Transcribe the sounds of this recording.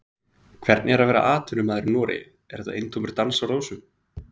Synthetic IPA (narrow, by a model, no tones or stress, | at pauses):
kʰvɛɾt̪nɪɛɾavɛːɾa̰ʔaːt̪ʰʏnʏmaːðɪɾnɔːɾɪ̰ | ɛɾɛ̥t̪a̰ḛjnt̪ʰowmʏɾ̥t̪ansawɾoːwsʏm